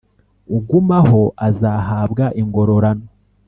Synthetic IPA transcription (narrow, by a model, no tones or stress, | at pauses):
uɡumaho̞ʔazahaːbɡaʔiŋɡo̞ɾo̞ɾano